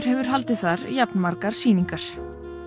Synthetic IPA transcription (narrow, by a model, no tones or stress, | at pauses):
ɾ̥ɦɛvʏɾ̥ɦalt̪ɪθaɾjapnmaɾkaɾ̥siːniŋkaɾ̥